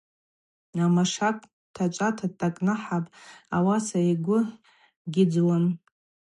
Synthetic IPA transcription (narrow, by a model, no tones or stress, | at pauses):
amaʂakʷʼ | tʰat͡ʃʷʼatʰatʼakʼnaħapʼawasaiɡʷʊ | ɡʲɪd͡zwan